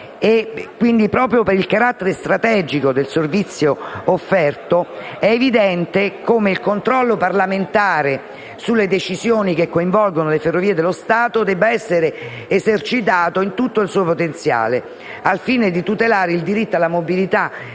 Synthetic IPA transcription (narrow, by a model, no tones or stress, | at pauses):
ekːwind̪ipɾɔːpɾjopeɾilkaɾat̪ːeɾest̪ɾat̪ɛːd͡ʒikod̪elservit̪sːjoːfːɛrt̪o | ɛːvid̪ɛnt̪ekomeilkont̪ɾɔlːoparlament̪aːɾe | sulːed̪et͡ʃizjoːnikekːoiɱvɔlɡonoleferːoviːed̪elːost̪aːt̪od̪ɛbːaɛsːeɾeː | zert͡ʃit̪̬aːt̪oint̪ut̪ːoilsuːopot̪ent̪sja̰ːle | alfiːned̪it̪ut̪elaːɾeild̪iɾit̪ːoalamobilit̪a